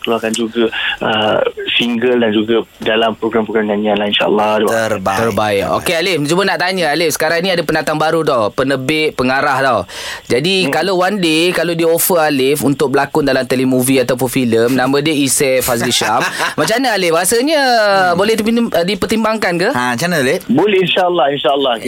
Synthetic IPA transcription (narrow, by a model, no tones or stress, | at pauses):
kəloakand͡ʒuɡaəsiŋɡəldand͡ʒuɡadalampɾoɡɾampɾoɡɾamɲanianlainʃa̰ʔa̰lːɑhdərbaərbaɪʔo̰kealɪft͡ʃumənaʔt̪aɲə̃alɪfsə̥kaɾaŋnĩadapənat̪aŋbaɾut̪awpənəbɪʔ̚pəŋaɾaht̪aw | d͡ʒadikalowandekalodiofəalɪfunt̪ʊk̚bəlakʊndalamt̪elemũviat̪awp̬ʊnfiləmnãmãdəisɛfas̬diʃammat͡ʃanəalɪbaɦasaɲəbolɛhdidipərt̪imbaŋkankəamat͡ʃanəlɪbulinʃaəlːɑhinʃaəlːɑh